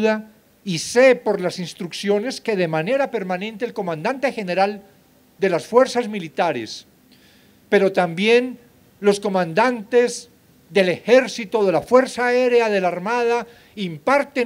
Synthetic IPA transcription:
ða | ise̞po̞ɾlasinst̪ɾuksjo̞ne̞ske̞ðe̞mane̞ɾape̞ɾmanẽ̞nt̪e̞ːlko̞mãnd̪ant̪e̞xe̞ne̞ɾal | d̪e̞lasfwe̞ɾsazmilit̪aɾḛs | pe̞ɾo̞t̪ambje̞n | lo̞sko̞mãnd̪ant̪e̞z | ðe̞le̞xe̞ɾsit̪oðe̞lafwe̞ɾsaeɾeaðe̞laɾmaða | impaɾt̪e

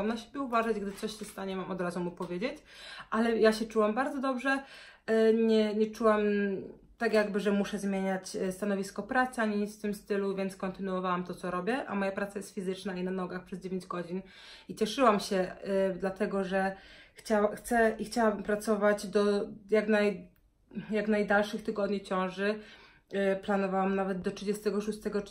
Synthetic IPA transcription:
amnaɕe̥bʲjɛuvaʐad͡ʑɡd̪ɘt̪sɔɕɕɛst̪aɲɛmamɔd̪ɾazumupɔvʲjed͡ʑet͡ɕʔalɛjaɕɛt͡ʂuwambaɾd̪zɔd̪ɔbʐɛ | ɲɛɲɛt͡ʂuwam | t̪akjaɡbɘʐɛmuʂɛzmʲjeɲat͡ɕst̪anɔvʲiskɔpɾat̪sɘaɲiɲit̪sft̪ɘmst̪ɘluvʲjɛnt̪skɔnt̪ɘnuɔvawamt̪ɔt̪sɔɾɔbʲjɛʔa̰mɔjapɾat̪sajɛst̪fʲizɘt͡ʂnainanɔɡaxpʂɛzd͡ʑevʲeɲd͡ʑɡɔd͡ʑin | it͡ɕɛʂɘwamɕɛd̪lat̪ɛɡɔʐɛxt͡ɕawaxt̪sɛʔixt͡ɕawabɘmpɾat̪sɔvad͡ʑd̪ɔjaɡnaj | jaɡnajd̪alʂɘxt̪ɘɡɔd̪ɲit͡ɕɔ̃w̃ʐɘ | planɔvawamnavɛd̪d̪ɔtʂɘd͡ʑɛst̪ɛɡɔʂust̪ɛɡɔ

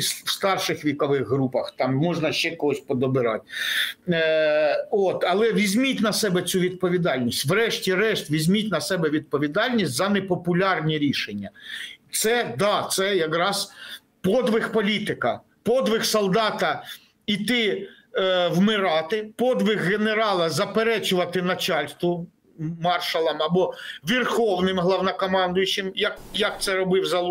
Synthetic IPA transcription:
swst̪ɑrʃɪxʋʲikɔʋɪɣɦɾupɐxt̪ɑmːɔʒnɐʃt͡ʃɛkɔɦɔsʲpɔd̪ɔbɪɾɑ̰tʲ | ɔt̪ɐlˠɛʋʲizʲmʲitʲnɐsɛbɛt͡sʲuʋʲid̪̚pɔʋʲid̪ɑlʲnʲisʲtʲʋɾɛʃtʲiɾɛʃt̪ʲʋʲizʲmʲitʲnɐsɛbɛʋʲid̪̚pɔʋʲid̪ɑlʲnʲisʲtʲzɐnɛpɔpʊlʲɑrnʲiɾʲiʃenʲːɐt̪sɛd̪ɑt̪sɛjɐkɾɑz̥ | pɔd̪ʋɪxpɔlʲit̪ɪkɐ | pɔd̪ɪxsɔlˠd̪ɑt̪ɐ | it̪ɪ | wmɪɾɑt̪ɪpɔd̪ʋɪɣɣeneɾɑlˠɐzɐpeɾɛt͡ʃʊʋɐt̪ɪnɐt͡ʃɑlʲst̪ʋʊ | mɑrʃɐlˠɐmɐbɔʋʲirxɔwnɪmɦlˠɐwnɐkɔmɑnd̪ʊjʊt͡ʃɪmjɐkjɐk̚t̪sɛɾɔbɪwzɐ

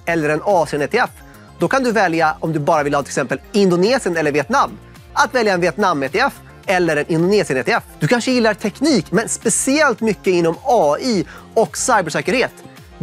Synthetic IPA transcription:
ɛlːəɾɛnɑːsɪɛneːt̪ʰɪɛf | d̪ɔkʰand̪ɵvɛljaɔmd̪ɵbɑːɾavɪlhɑːɪlɛsɛmpəlɪnd̪ʊneːsɪənɛlːəɾvɪɛt̪namː | at̪vɛljaɛnvɪɛt̪namːeːt̪ɛɛf | ɛlːəɾɛnɪnd̪ʊneːsɪəneːt̪ʰɛɛfd̪ɵkʰanʂəjɪlːaʈ̪ʰɛkniːkmɛnspɛsɪɛlt̪mʏkːəɪnːɔmɑːiːɔksajbɛʂɛːkəɾheːt̪

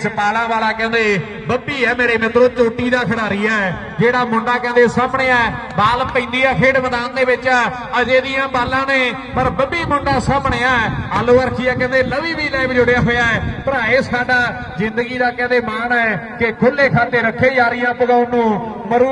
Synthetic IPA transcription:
spaːlãːʋaːlaːkɛ̃ːnd̪eː | bəbːiːɛːmeːɾeːmɪt̪ɾoːt͡ʃoːʈiːd̪aːkʰəɽaːɾɪjaːɛː | d͡ʒeːɽaːmʊ̃ɳɖaːkɛ̃ːnd̪eːsaːpɳeːaː | baːlpĩːnd̪iːaːkʰeːɖʋəd̪aːnd̪eːʋɪt͡ʃ | əd͡ʒeːd̪ɪjãːbaːlãːneː | pəɾbəbiːmʊ̃ɳɖãːsãːpɳeːaːɛaːloːəɾkʰiːjaːkɛ̃ːnd̪eːləʋiːʋiːlaːɪbd͡ʒʊɽɪjaːɦoːjaːɦɛːpəɾãːeːskʰaːɖaː | zɪ̃nd̪əɡiːd̪aːkɛ̃ːnd̪eːmaːnɛːkekʰʊleːkʰaːt̪eːɾəkʰːeːjaːɾɪjãːpʊɡaːʊnũːməɾuː

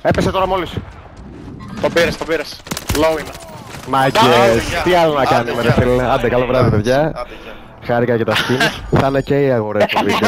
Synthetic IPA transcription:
epeset̪oɾɐmolis | t̪obiɾɐst̪obiɾɐsloinɐmɐɟest̪iɐlonɐkɐnimeɾefilɐnd̪ekɐlovɾɐðipeðʝɐ | xɐɾikɐcet̪ɐscinθɐneceiɐɣoɾet̪ovit̪

